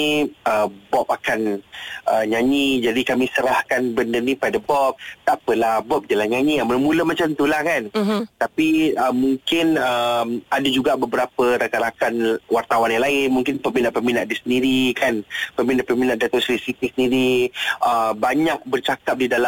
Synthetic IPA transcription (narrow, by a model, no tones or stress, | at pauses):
iəbɔp̚akanʔəɲaɲid͡ʒadikamisəɾahkanbəndərnipadabɔp̚t̪apəlahbɔp̚dalaɲãɲiamuləmũləmat͡ʃamt̪ulahkant̪apiəmːuŋkɪnəmadad͡ʒuɡaʔbəbəɾapəɾakaɾakanwart̪awanjãŋlaɪnmuŋkɪnpəminaʔpəminaʔ̚disəndiɾikanpəminaʔpəminaʔ̚dat̪ʊʔslisit̪isəndiɾiəbaɲak̚bərt͡ʃakap̚didala